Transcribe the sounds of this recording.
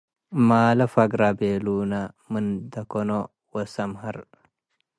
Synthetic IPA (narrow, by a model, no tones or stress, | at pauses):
maːlɐfɐɡɾabeːluːnɐmɨnd̪ɐkono | wɐsɐmɦɐɾ